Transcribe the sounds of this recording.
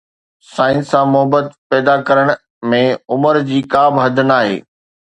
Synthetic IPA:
sãːɪ̃nsãmʊɦəbət̪pɛːd̪akɐɾəɽ̃ | mẽʊməɾd͡ʑiːkaːbɦɐd̪ʱənaːɦḛː

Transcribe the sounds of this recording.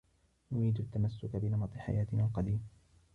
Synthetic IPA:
nʊɾiːd̪at̪ːamasːʊkabɪlamɑt̪ˤɪħa̰jaːt̪ɪnalqɑd̪iːm

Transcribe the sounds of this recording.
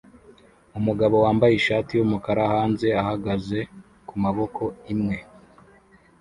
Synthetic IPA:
umuɡaβo̞waːmbajiʃaːtijumukaɾahaːnze̞ahaɡaze̞ | kumaβo̞kʰo̞imŋe̞

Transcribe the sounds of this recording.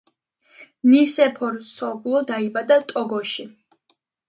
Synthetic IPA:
nisɛpʰɔɾsɔɡlˠɔd̪aibad̪at̪ʼɔɡɔʃi

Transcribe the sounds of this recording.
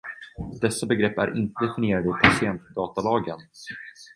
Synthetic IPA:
d̪ɛsːabɛɡɾɛpːæ̰ɾʔɪnt̪əd̪ɛfɪnɪjeːɾad̪əɪpʰasɪɛnt̪d̪ɑːt̪alɑːɡən

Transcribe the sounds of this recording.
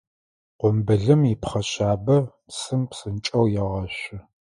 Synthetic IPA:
qʷʊmbɨɮɨmipχɐɕaːbɐpsɨmpsɨnt͡ʃʼɐwjɛʁɐɕɪ

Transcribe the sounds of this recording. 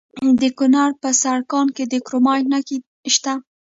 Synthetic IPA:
d̪əkʊnaɾpəsaɽkɑnked̪əkɾomɑjnaki | ʃt̪a

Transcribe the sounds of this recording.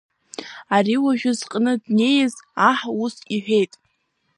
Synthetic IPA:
ariwaʒᶣʊzqʼnɨdne̞jɪzaħausiħʷᶣe̞jtʼ

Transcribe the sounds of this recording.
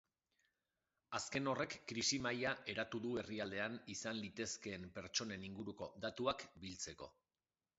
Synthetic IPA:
aske̞no̞re̞kːɾisimajaʔe̞ɾat̪uðue̞riald̪e̞anisanlit̪e̞ske̞ːmpe̞ɾt͡ʃo̞ne̞niŋɡuɾuko̞d̪at̪uakbilt͡se̞ko̞

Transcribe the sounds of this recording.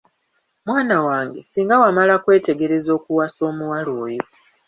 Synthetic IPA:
mwaːnawaːŋɡe̞siːŋɡawamalakwe̞ːte̞ɡe̞ɾe̞zo̞ːkuwaso̞ːmuwaloːjo

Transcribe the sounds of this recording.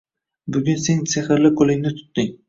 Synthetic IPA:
bʊɡʲʊnse̞ŋseχɪɾlɪqʰolˠɪŋnɪt̪ʰʊ̥t̪d̪ɪŋ

